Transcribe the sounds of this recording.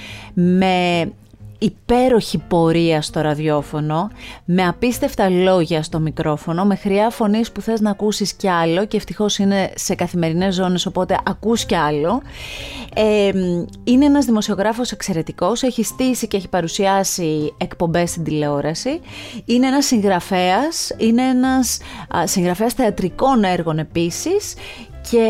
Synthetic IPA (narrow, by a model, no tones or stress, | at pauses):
me̞ | ipe̞ɾo̞çipo̞ɾiɐst̪o̞ɾɐðʝo̞fo̞no̞me̞ɐpist̪e̞ft̪ɐlo̞ʝɐst̪o̞mikɾo̞fo̞no̞me̞xɾiɐfo̞nispuθe̞znɐːkusisceɐlo̞ce̞ːft̪ixo̞sine̞se̞kɐθime̞ɾine̞zːo̞ne̞so̞po̞t̪e̞ʔɐkusceɐlo̞ | em | ineenɐzðimo̞sio̞ɣɾɐfo̞se̞kse̞ɾe̞t̪iko̞se̞çist̪isice̞eçi̥pɐɾusiɐsiekpo̞mbe̞st̪ind̪ile̞o̞ɾɐsiine̞enɐsːiŋɣɾɐfe̞ɐsine̞enɐssiŋɣɾɐfe̞ɐsθe̞ɐt̪ɾiko̞ne̞ɾɣo̞ne̞pisis | ce̞